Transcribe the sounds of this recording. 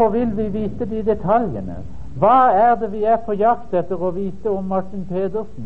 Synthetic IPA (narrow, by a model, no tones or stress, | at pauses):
ɔʋɪlʋɪʋiːt̪əd̪ɪd̪ɛt̪ʰɑljə̰nə̰ | ʋɑːæʁd̪ɛʋɪæɾpʰɔjɑkt̪ɛt̪ːəɾɔʋiːt̪əɔmːɑʈːɪnpʰeːd̪əʁsn̩